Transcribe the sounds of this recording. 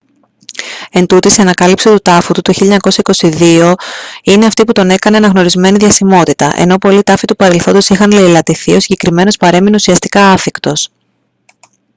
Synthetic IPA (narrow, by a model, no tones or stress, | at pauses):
e̞nt̪ut̪iseɐnɐkɐlipsit̪ut̪ɐfut̪ut̪oçiʎːɐɲɐko̞sɐiko̞siðio̞ine̞ɐft̪iput̪o̞ne̞kɐne̞ɐnɐɣno̞ɾizme̞niðʝɐsimo̞t̪it̪ɐʔḛno̞po̞lit̪ɐfit̪upɐɾe̞lθo̞nd̪osixɐnle̞ilɐt̪iθio̞siɲɟe̞kɾime̞no̞spɐɾe̞mineusiɐst̪i̥kɐɐθikt̪o̞s